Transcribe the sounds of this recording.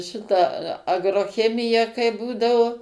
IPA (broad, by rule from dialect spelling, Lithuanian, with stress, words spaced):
ˈʃʲɪtɐ ɐɡroːˈxʲæːmʲɪjɛ kɐɪ ˈbuːdɐʋoː